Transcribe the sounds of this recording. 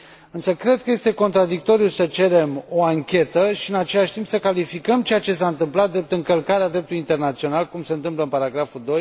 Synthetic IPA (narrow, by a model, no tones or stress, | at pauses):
ɨnsəkɾe̞d̪̚kəje̞st̪e̞ko̞nt̪ɾad̪ik̚t̪o̞ɾijusət͡ʃe̞ɾe̞mo̞aŋkʲe̞t̪əʃiɨnat͡ʃe̞laʃʲt̪impsəkalifikəmt͡ʃe̞jat͡ʃe̞s̬aɨnt̪ɨmplat̪d̪ɾe̞p̚t̪ɨŋkəlkaɾead̪ɾe̞p̚t̪uluint̪e̞rnat̪sio̞nalkumse̞ɨnt̪ɨmpləɨnpaɾaɡɾafuld̪o̞j